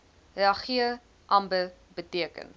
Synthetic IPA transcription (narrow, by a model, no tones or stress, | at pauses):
iɐχiə | ʔɐmbə | bətiəkə̰n